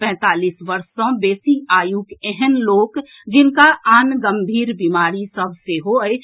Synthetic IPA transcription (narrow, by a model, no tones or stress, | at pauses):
pɛ̃ːt̪aːliːsʋəɾsõbeːsiaːjukɛɦɛnloːk | d͡ʒɪnkaaːnɡə̃mbʱiːɾbimaːɾisəbʱseɦoj